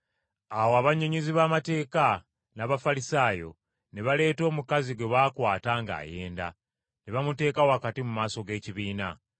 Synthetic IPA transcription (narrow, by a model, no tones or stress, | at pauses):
awoaβaɲːoɲiziβaːmate̞ːka | naβafalisaːjo̞̰ | ne̞βale̞ːto̞ːmukaziɡwe̞βaːkwaːtaŋɡa̰ːje̞̰ːnda̰ | neβamute̞ːkawakatimumaːso̞ɡe̞ːciβiːna̰